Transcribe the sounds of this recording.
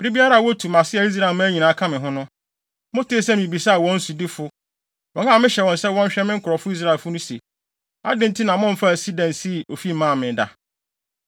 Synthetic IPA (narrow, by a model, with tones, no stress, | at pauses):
bɪ˨ɾi˦bi˦a˦ɾa˦˨wɔ˦tʰu˨mã˨sɪ˦ɛ˨i˦s̬ɾa˦˨mã˦ɲĩ˨nã˨a˦kʰã˦mɪ̃˨ɦʊ̃˦nʊ̃˦ | mʊ̃˦tʰe˦e˦˨sɛ̃˦mĩ˨bi˨sa˦a˨wɔ̃˦n̩˦su˨dɪ˦fʊ˦ | wɔ̃˨ŋã˦˨mɪ̃˦ɕɛ˨wɔ̃˨nsɛ˦wɔ̃˦n̩˦ɕᶣɛ˦mɪ̃˦ŋ̩˦kʰʊ˨ɾɔ˨fʊ˦i˦s̬ɾa˦˨e˨lfʊ˦nʊ̃˦se˨ | a̰˦dɪ̃˦n̩˦tʰɪ˦nã˨mʊ̃˦m̩˦fa˦˨si˦dã˨nsi˦˨o˨fi˦˨mã˦˨mɪ̃˨da˨